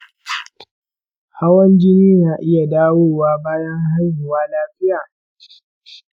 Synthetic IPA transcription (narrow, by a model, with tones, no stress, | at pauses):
ha˦wɐ˦nd͡ʒɪ˦niː˦naː˨ʔɪ˦ja˨daː˦woː˦waː˦baː˦jɐ˦ŋɦa˦rʊ˨waː˦laː˦ɸɪ˦jaː˨